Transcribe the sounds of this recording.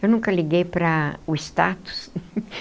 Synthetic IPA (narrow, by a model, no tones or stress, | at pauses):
ewnũŋkɐliɡejpɾɐʊɪst̪at̪ʊ̥s